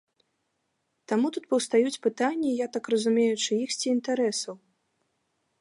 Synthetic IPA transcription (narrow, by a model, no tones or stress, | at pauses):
t̪amut̪ut̪pɐwst̪ajut͡sʲpɨt̪anʲːɐjat̪akrɐzumʲejut͡ʂɨixsʲt͡sʲiːnt̪aɾɛsɐw